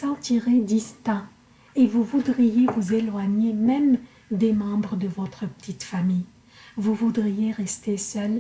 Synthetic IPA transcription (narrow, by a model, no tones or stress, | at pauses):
sɑ̃t̪iʁed̪ist̪ɛ̃ | evuvud̪ʁijevuzelwaɲemɛm | d̪emɑ̃bʁəd̪əvɔt̪χəpə̥t̪it̪famij | vuvud̪ʁijeʁɛst̪esœl